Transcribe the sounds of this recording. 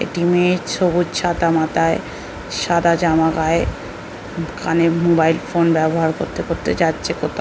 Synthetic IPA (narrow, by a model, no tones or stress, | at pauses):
ḛʈimeʃobutt͡ɕʰad̪amat̪ae | ʃad̪ad͡ʑamaɡae | kanemobajlfonbɛboɦaɾkoɾt̪ekoɾt̪et͡ɕatːɕʰekot̪ʰa